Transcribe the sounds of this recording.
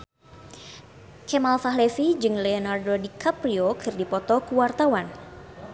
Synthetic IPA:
kɛmalfaɦlefid͡ʒɨŋlɛɔnardodikapɾiokʰɨrdipɔt̪ɔkuwart̪awan

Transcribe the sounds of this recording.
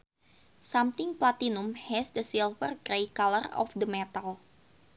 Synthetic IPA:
samt̪ɪŋplat̪inumhɛsdəsilfərɡɾejkalərɔ̰fdəmɛt̪al

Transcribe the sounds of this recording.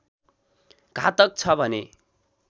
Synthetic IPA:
ɡʱa̰t̪ʌk̚t͡sʰʌbʱʌne

